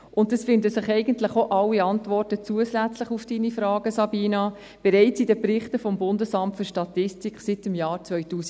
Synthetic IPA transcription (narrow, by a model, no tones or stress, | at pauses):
ʊn̚dɑsfɪndəsɪχɛɪɡəntləχoʔɑlːiɑntvɔrtət͡suəslæt͡sləχufd̥iːnifɾɑːɡ̥əsɑbiːnɑ | b̥ɛɾɛɪt͡sidəpɾɪχtəfɔmbʊndəsɑmtfyɾʃtɑtɪstikχsɪtɪmjɑːɾt͡sʋœʏtuːs